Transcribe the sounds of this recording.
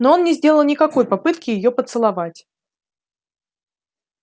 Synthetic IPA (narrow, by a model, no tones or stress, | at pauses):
no̞o̞nnʲɪzʲdʲelˠəlˠnʲɪkɐko̞jpɐpɨt̪kʲɪjɪjopət̪sɨlˠɐvatʲ